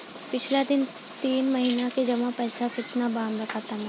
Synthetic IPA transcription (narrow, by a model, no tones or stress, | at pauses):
pɪt͡ʃʰlad̪ɪn | t̪iːnmɐɦiːnaked͡ʒɐmapɛːsakɪt̪nabãːnɾɐkʰaːt̪aɦɛ̃ː